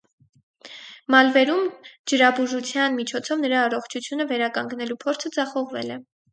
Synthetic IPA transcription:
mɑlvɛɾumd͡ʒəɾɑbuʒut͡sʰjɑnmit͡ʃʰɔt͡sʰɔvnəɾɑːrɔχt͡ʃʰut͡sʰjunəvɛɾɑkɑŋɡnɛlupʰɔɾt͡sʰəd͡zɑχɔʁvɛ̰lɛ

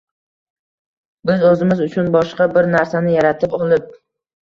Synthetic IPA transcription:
bɪzɵzɪmɪzʊt͡ʃʰʊnbɒʃqɑbɪɾnaɾsanɪjaɾat̪ʰɪpɒlˠɪp̚

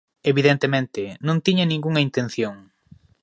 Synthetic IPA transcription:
eβiðent̪emẽnt̪ɪnõŋt̪iɲɐnĩŋɡuŋɐint̪ẽnθjoŋ

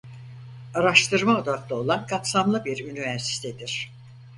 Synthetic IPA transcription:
aɾaʃt̪ʰɯɾmaod̪aklˠao̞lˠankʰapsamlˠɯbiɾynivæɾsi̥t̪ʰed̪iɾ̥

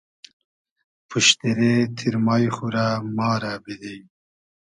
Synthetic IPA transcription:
pʰuʃt̪eɾet̪ʰiɾmajxuɾamɑːɾabid̪ij

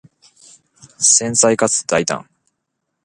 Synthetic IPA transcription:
sẽ̞ñsaikat͡sɨ̥d̪̥ait̪ã̰ŋ

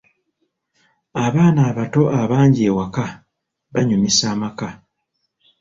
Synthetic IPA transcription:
aβaːnaːβato̞ʔaβaːɲɟieːwaka | βaɲumisaːmaka

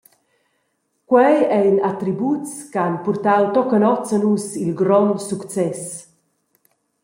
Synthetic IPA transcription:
kwɛjɛjnat̪ɾibut͡skanpurt̪awt̪ɔkənɔt͡sanusilɡɾɔnsukt͡sɛs

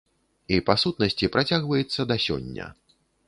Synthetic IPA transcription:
ipasut̪̚nɐsʲt͡sʲipɾat͡sʲaɣvɐjɛt̪sːɐd̪ɐsʲɔ̰nʲːɐ̰

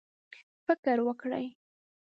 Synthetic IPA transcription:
fɪkəɾwəkɽa̰j

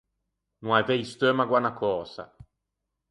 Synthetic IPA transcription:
nwavɛjst̪ømaɡwanakʰɔːsa̰

